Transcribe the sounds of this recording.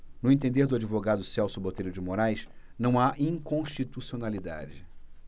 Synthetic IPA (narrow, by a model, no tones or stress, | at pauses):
nʊẽt̪̬ẽnd̪eɾd̪ʊad͡ʒivoɡad̪ʊsɛwsʊbot̪ejɾʊd͡ʒɪmoɾajs | nɐ̃w̃aʔĩŋkõʃt͡ʃit̪usionalid̪a̰d͡ʒɪ